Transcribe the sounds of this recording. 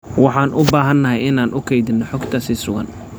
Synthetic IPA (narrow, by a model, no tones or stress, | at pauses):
wɑħɑːnʔʊbaːɦɐnːɐɦɛjɪnaːnʔʊkʰɛjd̪ɪnːɔħɔɡt̪ʰɐsiːsʊɣɐ̰n